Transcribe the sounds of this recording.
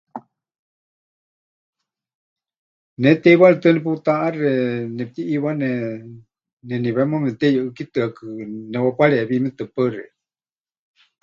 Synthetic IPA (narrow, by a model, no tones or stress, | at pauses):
nɛt̪ɛiβaɾɛt̪ɨnɛp̬ut̪aʔarɛnɛp̚t̪iʔːβanɛ | nɛniβɛmomɛt̪ɛjɨʔɨkit̪ɨakɨnɛwapʷaɺɛʔeβimɛt̪ɨpəɾɛ̰